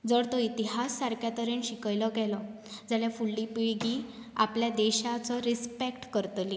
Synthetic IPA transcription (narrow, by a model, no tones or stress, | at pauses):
d͡zəɽt̪ɔit̪iɦasːaɾkʰjat̪əɾənɕikəjlɔɡɛlɔ | d͡zaljafuɭɖiːpiɭɡi | a̰pljad̪ɛɕat͡sɔɾispekʈkəɾt̪li